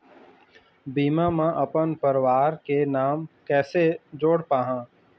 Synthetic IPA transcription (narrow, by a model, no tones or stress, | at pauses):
biːmãmãʔɐpənpəɾʋaːɾkenaːmkɛːsed͡ʒoːɽpaːɦãː